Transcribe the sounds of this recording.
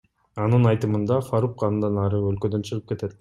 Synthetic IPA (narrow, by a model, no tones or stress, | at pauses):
ɑnɯnɑjt̪ɯmɯnd̪ɑfaɾukːɑd̪ɑnɑɾɯølkød̪ønt͡ʃʰɯʁɯp̚ke̞t̪e̞t̪